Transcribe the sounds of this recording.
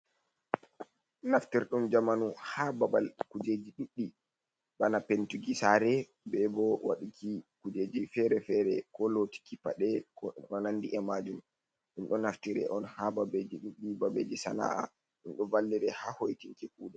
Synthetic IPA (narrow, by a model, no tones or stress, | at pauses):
naftiɾɗumd͡ʒamanuhababalkud͡ʒed͡ʒiɗuɗːi | ɓanapentuɡisaɾɛ | bɛbɔwa̰ɗikikud͡ʒeːd͡ʒifɛɾɛfɛɾɛkɔloti̥kipaɗɛkɔɗɔnandiʔɛmad͡ʒum | ɗinɗɔnaftiɾɛ̰ʔɔnhababed͡ʒiɗuɗːibabed͡ʒisa̰na̰ʔa̰ | ɗunɗɔvalːiɾɛhahojtiŋkɛkuːɗɛ